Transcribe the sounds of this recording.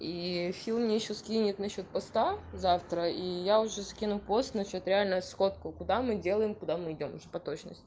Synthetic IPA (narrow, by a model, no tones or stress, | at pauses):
ifʲilˠmnʲejɪɕːoskʲinʲɪt̪nɐɕːo̞t̪̚pɐst̪azaft̪ɾəijaʊʐɛskʲinʊpo̞st̪nɐɕo̞t̪ɾʲɪalʲnəsxo̞t̪kʊkʊd̪amɨdʲe̞lˠəjɪmkʊd̪amɨɪdʲo̞mʊʐɛpɐt̪o̞t͡ɕnə̰sʲtʲ